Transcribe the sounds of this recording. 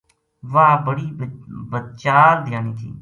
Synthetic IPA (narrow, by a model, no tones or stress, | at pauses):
ʋaːbəɽiːbəd̪̚t͡ʃaːld̪ɪjaːniːt̪ʰḭː